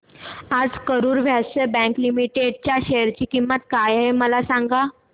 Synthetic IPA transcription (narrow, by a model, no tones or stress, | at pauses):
ad͡zkəɾuːɾʋʱjasəbɛ̃ŋklimiʈeɖt͡ɕjaɕejəɾt͡ɕiːkimːət̪̚kajɦeməlasaŋɡa